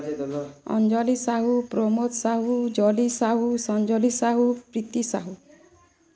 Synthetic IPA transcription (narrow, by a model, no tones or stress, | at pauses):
ɔ̰nd͡ʒɔlisaɦupɾomot̪saɦud͡ʒɔlisaɦusɔnd͡ʒɔlisaɦupɾit̪isa̰ɦu